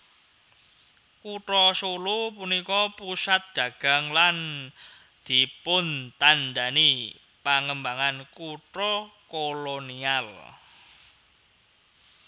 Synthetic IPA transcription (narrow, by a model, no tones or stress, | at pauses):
kuʈɾɔsolupunikɔpusat̪̚ɡ̥ä̤ɡ̥a̤ŋlan | d̪̥i̤pʊnt̪and̪ani | paŋəmbaŋankuʈɾɔkolonial